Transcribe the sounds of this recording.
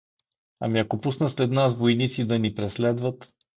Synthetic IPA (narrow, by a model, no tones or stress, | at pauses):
ɐ̰miɐkopusnəslɛd̪nasvojnit̪sid̪ɐnipɾɛslɛd̪vət̪